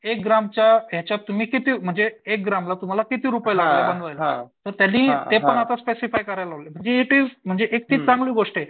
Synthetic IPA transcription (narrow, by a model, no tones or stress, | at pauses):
ek̚ɡɾamt͡ɕjaɦjat͡ɕjat̪ːumiːkit̪iːm̤əɳd͡zeek̚ɡɾamlat̪um̤alakit̪iːɾupəjlaɡlebənd̪ʋajlat̪əɾt̪janːiːt̪epəɳat̪aspesifajkəɾajlaɦolem̤əɳd͡zeeʈ̪im̤əɳd͡zeʔek̚t̪iːt͡sãŋɡliːɡoʂʈe